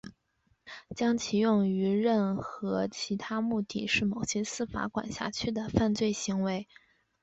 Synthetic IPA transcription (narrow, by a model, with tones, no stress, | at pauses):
t͡ɕjɑ˥ŋt͡ɕʰi˧˥jʊ˥˩ŋy˧˥ɻə˥˩nxɤ˧˥t͡ɕʰi˧˥t̪ʰa˥mu˥˩t̪ḭ˨˩ʂɻ̩˥˩mo˨˩ʊɕjɛ˥sɹ̩˥˩fa̰˧˥kwa̰˨˩nɕja̰˥˩t͡ɕʰy˥˩d̪ə˩fa˥˧nt͡swe˥˩ɪɕi˧˥ŋwe˧˥ɪ